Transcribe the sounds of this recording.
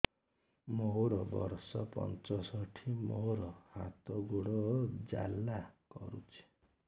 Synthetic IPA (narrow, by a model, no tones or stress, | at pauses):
moɾɔbʌrsʌpʌ̰nt͡sɔsʌʈʰimoɾʌha̰t̪ɔɡuɽɔd͡za̰lːakʌ̰ɾut͡sʰi̥